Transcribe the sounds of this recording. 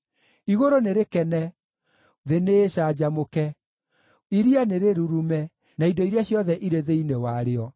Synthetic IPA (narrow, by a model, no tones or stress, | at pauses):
iɣoɾoneɾekɛnɛ | ðeneɕad͡ʑamokɛ | iɾianeɾeɾuɾumɛ | naidɔiɾeaɕjɔðɛʔiɾeðeinewaɾeɔ